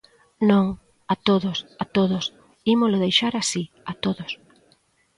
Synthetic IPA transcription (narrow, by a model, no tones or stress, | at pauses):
nõŋ | at̪oðʊsat̪oðʊs | imʊlʊðejʃaɾasi | at̪oðʊs